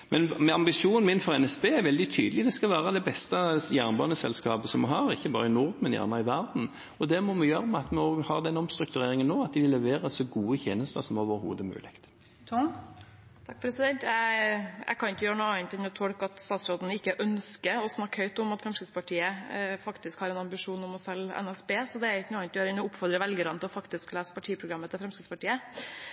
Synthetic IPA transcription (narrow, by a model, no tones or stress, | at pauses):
mɛnmɛɑmbɪʂuːnn̩mɪnfɔʁɛnɛsbeːæɾʋɛld̪ɪt̪ʰy̰ːd̪əlɪd̪ɛskɑlʋæːɾəd̪ɛbɛst̪əjæːʁnbɑnəsɛ̰lskɑːpəsɔmɛɦɑːɾɪçːəbɑ̰ːɾəɪnʊɾd̪mɛnjæ̰ːʁnɑɪʋæʁd̪n̩ | ɔd̪ɛmɔmɛjøːɾəmɛɑt̪mɛoːɡhɑʁd̪ɛnɔmst̪ɾʉk̚t̪ʉɾeːɾɪŋənːoːɑt̪̚d̪ɪʋɪlːɛʋeːɾəsɔɡuːəçeːnəst̪əsɔmoːʋəɾhṵːd̪əmʉ̰ːlʔɪkt̪ | t̪ʰɑk̚pʰɾɛsɪd̪ɛnt̪jææ̰ɪkʰɑnɪkəjøːɾənuːɑnt̪ɛnːɔt̪ʰɔɽkɑt̪st̪ɑːt̪sɾoːd̪nɪkːəʔœnskəɔsnɑkːhœʏt̪ɔmɑt̪fɾɛmskɾɪd̪spɑʈʰiːəfɑkt̪ɪskhɑːɾɛnɑmbɪʂuːnɔmɔsɛlɛ̰næsbeːsɔd̪ɛæɾɪkːnuːɑnt̪jøːɾɛnɔʊpfɔɾd̪ɾəʋɛlɡəɾɑnt̪ʰɪlɔfɑkt̪ɪsklæːsə̥pɑʈʰiːəpʰɾʊɡɾɑmːət̪ʰɪlfɾɛmskɪt̪spɑʈiːə